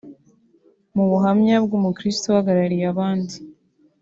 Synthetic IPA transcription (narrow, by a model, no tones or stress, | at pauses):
muβuɦamɲabɡumukɾistohaɡaɾaɾijaβaːndi